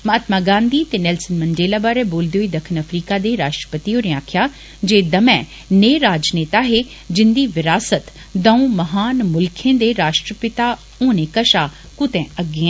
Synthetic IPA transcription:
mɐt̪maːɡãːnd̪iːt̪enɛːlsənmə̃nɖeːlaːbaːɾɛboːld̪eoiːd̪əkʰənɐfʰɾiːkad̪eːɾaːʃʈɾəpət̪ioːnẽaːkʰjaː | d͡ʒeːd̪ɐmɛ̃ː | neːɾaːd͡ʒneːt̪aɦeː | d͡ʒɪnd̪iːʋɪɾaːsət̪ | d̪ɐ̃ũːməɦaːnmʊlkʰẽːd̪eɾaːʃʈɾəpɪt̪a | õːnẽkəʃaː | kʊt̪ɛ̃əɡːeɛ̃

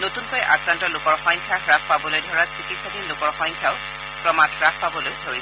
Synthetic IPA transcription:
notunkɔjʔa̰kɹantɔlʊkɔɹxɔjŋkʰakɹak̚ʰpabɔlojdʱɔɹasikitsadilʊkɔɹxɔjŋkʰaʊ | pɹɔmatʰɹak̚ʰpabɔlojdʱoɹis

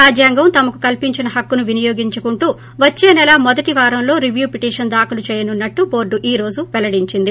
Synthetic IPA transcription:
aːd͡ʒjaːŋɡɐmt̪ɐmɐku̥kɐlpiɲt͡ʃinɐɦɐkːunuʋinijoːɡiɲt͡ʃukuɳʈuː | ʋɐt͡ʃːeːnɛlɐmɔd̪ɐʈiʋaːɾɐmlo̞ːɾiʋjuːpiʈiːʂɐnd̪aːkulut͡ʃɛːjɐnunːɐʈːubo̞ːɾɖuʔiːɾo̞ːd͡ʒuʋɛlɐɽiɲt͡ʃind̪i

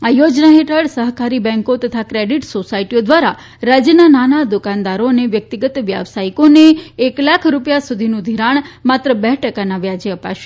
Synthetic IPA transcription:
ajod͡ʒnaɦeʈəɭsəɦkaɾibɛ̃ŋkot̪ət̪ʰakɾeɖiʈsosaiʈijod̪ʋaɾa | ɾad͡ʒjənananad̪ʊkãnd̪aɾoneʋjək̚t̪iɡət̪ʋja̰ʋsaikoneeklakʰɾupjasud̪ʱinũd̪ʱiɾaɳ̃mat̪ɾəbɛɦʈəkanaʋjad͡ʒeəpa̰ʃe̥

